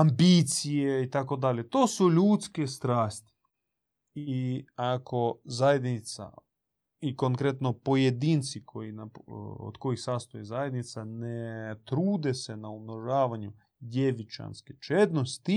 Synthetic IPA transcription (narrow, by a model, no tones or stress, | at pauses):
ambiːt̪sijeit̪ako̞d̪alʲet̪oːsuʎuːt̪skest̪ɾaːst̪i̥ | iakʰo̞zajed̪nit̪sa̰ | ikoŋkɾet̪nopo̞jed̪iːnt̪sikʰojinao̰d̪̥ko̞jixsaːst̪ojezajed̪nit̪sanet̪ɾuːd̪esenaumnoʒaːʋaɲu | d̪jeʋit͡ʃa̰nsket͡ʃed̪no̞st̪i